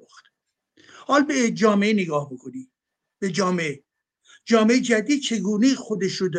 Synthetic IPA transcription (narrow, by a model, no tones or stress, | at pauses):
xt̪ | hɒːlbed͡ʒɒːmeeneɡɒːhbokʰoni | b̥ed͡ʒɒːmee | d͡ʒɒːmeed͡ʒæd̪iːd̪̥̚t͡ʃʰe̞ɡuːne̞ixod̪eʃɾod̪